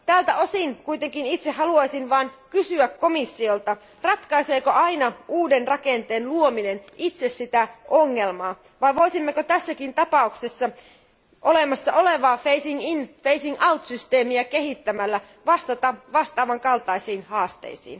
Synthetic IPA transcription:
t̪æːlt̪æʔo̞sinkujt̪eŋkinit̪sehɑluɑisinʋɑːnkysyækko̞misːio̞lt̪ɑ | rɑt̪kɑiseːkoʔɑinɑʔuːdenrɑkent̪eːnluominenʔit̪se̞ssit̪æʔoŋːe̞lmɑː | ʋɑijʋo̞isimːekot̪æsːækint̪ɑpɑukse̞sːɑ | ʔo̞lemɑsːɑʔo̞le̞ʋɑːfejsiŋinfeisiŋɑuwt̪syst̪e̞ːmiæke̞ɦit̪ːæmælːæ | ʋɑst̪ɑt̪ɑʋɑst̪ɑːʋɑŋkɑlt̪ɑisiːnhɑːst̪ḛisḭːn

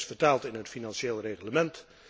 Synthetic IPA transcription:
sfəɹtaːlˠtɪnɦətfinɑnʃeːlˠreχləmɛnt

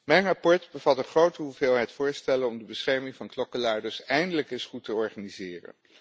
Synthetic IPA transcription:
mɛjnrɑpɔɹdbəvɑtəχrowtəɦuvɪːlˠɦɛjtfʊːɹstɛlənɔmdəbəsχɛɹmɪŋvɑnklɔkəlaːɹdəsɛjndələkɪsχutəɔɹχanizɪːrə̰n

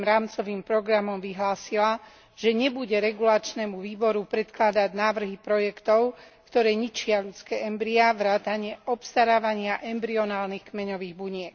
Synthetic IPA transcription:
mɾaːmt͡sɔʋiːmpɾɔɡɾamɔmʋiɦlaːsila | ʒ̥ɛɲɛbuɟɛɾɛɡulat͡ʃnɛmuʋiːbɔɾupɾɛt̪klad̪aɟnaːʋr̩ɦipɾɔjɛkt̪ɔʊkt̪ɔɾɛːɲit͡ʃɪaʎut͡skɛːʔɛmbɾiaʋɾaːt̪aɲɪɛʔɔpst̪aɾaːʋaɲɪaʔɛmbɾiɔnaːlnixkmɛɲɔʋiːɣbuɲɪɛk

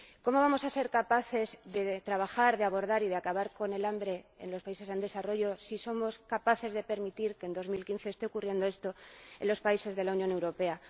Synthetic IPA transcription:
ko̞mo̞β̞amo̞sase̞ɾkapaθe̞zðe̞t̪ɾaβ̞axaɾðeaβ̞o̞ɾðaɾiðeakaβaɾko̞ne̞lambɾe̞ḛnlo̞spaise̞se̞nd̪e̞saro̞ʝo̞siso̞mo̞skapaθe̞zðe̞pe̞ɾmit̪iɾke̞ːnd̪o̞zmilkinθe̞ːst̪eokurje̞nd̪o̞e̞st̪o̞enlo̞spaise̞zðe̞launjone̞wɾo̞pe̞a

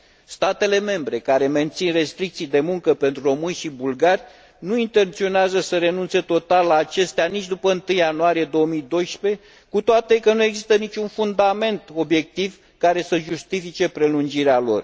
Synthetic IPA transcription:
st̪at̪e̞le̞me̞mbɾe̞kaɾe̞me̞nt̪sinre̞st̪ɾik̚t̪sijd̪e̞muŋkəpe̞nt̪ɾuro̞mɨnʲʃibulɡarʲ | nuint̪e̞nt̪sio̞neazəsəɾe̞nunt̪se̞t̪o̞t̪alːaːt͡ʃe̞st̪eanit͡ʃʲd̪upəɨnt̪ɨjanuaɾije̞d̪o̞əmid̪o̞jʃpe̞ | kut̪oat̪e̞kənue̞ɡzist̪ənit͡ʃunfund̪ame̞nt̪o̞bje̞k̚t̪iv | kaɾe̞səʒust̪ifit͡ʃe̞pɾe̞lund͡ʒiɾealo̞̰r

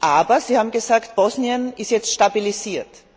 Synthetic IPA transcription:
ʔaːbɐziːhaːbm̩ɡəzaːktb̥ɔsniənɪstjɛt͡stʃtabiliziːɐt

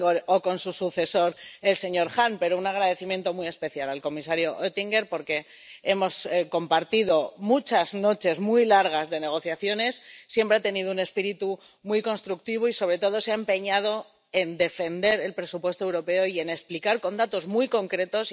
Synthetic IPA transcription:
oɾoko̞nsusuθe̞so̞ɾe̞lse̞ɲo̞ɾxampe̞ɾounaɣ̞ɾaðe̞θimje̞nt̪o̞mwie̞spe̞θjalalko̞mis̬aɾjo̞ʔet̪iŋɡe̞ɾpo̞ɾke̞ | e̞mo̞sko̞mpaɾt̪iðo̞mut͡ʃazno̞t͡ʃe̞zmujlaɾɣ̞azðe̞ne̞ɣ̞o̞θjaθjo̞ne̞sːje̞mpɾeat̪e̞niðoune̞spiɾit̪u | mujkonst̪ɾuk̚t̪iβ̞oiso̞β̞ɾe̞t̪o̞ð̞o̞seaempe̞ɲað̞o̞ | e̞nd̪e̞fe̞nd̪e̞ɾe̞lpɾe̞supwe̞st̪oewɾo̞pe̞oie̞ne̞splikaɾko̞nd̪at̪o̞zmwujko̞ŋkɾe̞t̪o̞s

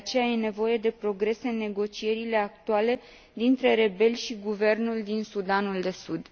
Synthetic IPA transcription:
eat͡ʃe̞jaje̞ne̞vo̞je̞d̪e̞pɾo̞ɡɾe̞seɨnːe̞ɡo̞t͡ʃije̞ɾile̞ak̚t̪uale̞ | d̪int̪ɾe̞ɾe̞be̞lʲʃiɡuve̞rnuld̪insud̪anuld̪e̞sud̪

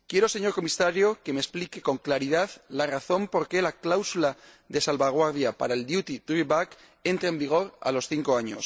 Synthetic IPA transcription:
kje̞ɾose̞ɲo̞ɾko̞misaɾjo̞ke̞mesplike̞ko̞ŋklaɾiðaðlaraθo̞mpo̞ɾke̞laklawsula | ðe̞salβaɣ̞waɾðjapa̰ɾaeld̪jut̪it̪ɾiβak | e̞nt̪ɾeembiɣ̞o̞ɾa̰lo̞sθiŋko̞aɲo̞̰s

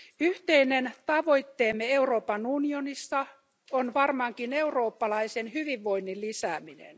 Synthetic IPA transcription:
yht̪einent̪ɑʋo̞it̪ːeːmːeeuroːpɑnunionisːɑ | onʋɑrmɑŋkine̞uro̞ːpːɑlɑisenhyʋiʋːo̞inːillisæːminḛn

